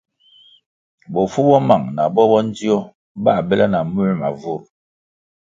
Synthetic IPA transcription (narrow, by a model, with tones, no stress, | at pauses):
bɔ˨fu˦bɔ˦ma˨ŋna˨bɔ˦bɔ˦n˦d͡zi˦ɔ˦ | ba˦˨bɛ˦la˦na˨mu˦ma̰˨vu˦˨ɾ